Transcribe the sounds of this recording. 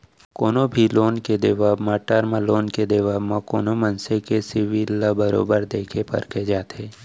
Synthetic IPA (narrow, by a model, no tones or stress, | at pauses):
koːnobʱiloːnked̪eʋaːbmaʈəɾməloːnked̪əʋaːbmãkoːnomənsekesɪʋilːabəɾo̰ːbəɾd̪eːkʰepɐ̰ɾkʰed͡ʒaːt̪ɦeː